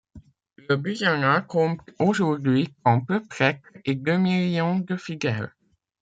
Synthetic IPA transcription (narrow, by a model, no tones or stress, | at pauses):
ləbyjanakɔ̃poʒuʁd̪ɥikɔ̃pəpχɛked̪ømiljɔ̃d̪əfiɡal